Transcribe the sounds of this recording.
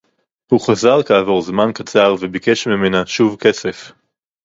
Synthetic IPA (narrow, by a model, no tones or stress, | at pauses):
huχazaʁkaːvo̞ʁzmankat͡saʁvebike̞ʃmime̞naʃuvke̞se̞f